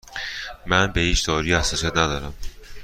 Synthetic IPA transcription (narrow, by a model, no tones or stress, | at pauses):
mænbejiʃd̪oːɾɯjasasjad̪d̪aɾam